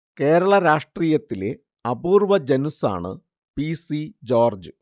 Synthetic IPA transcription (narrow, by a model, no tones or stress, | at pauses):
ke̞ːɾɐɭɐɾaːʂʈriːjɐt̪ːile | ɐbuːrʋɐd͡ʑɐnusa̰ːɳɨ̰ | pisid͡ʑo̞ːrd͡ʑɨ